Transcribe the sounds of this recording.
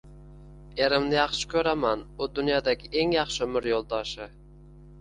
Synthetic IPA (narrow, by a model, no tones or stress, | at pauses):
e̞ɾɪmnɪjɑχʃɪ̥kʲʰɵɾamanʊd̪ʊnjɒd̪aɡʲɪʔe̞ŋjɑχʃɪmɪɾjolˠd̪ɒʃɪ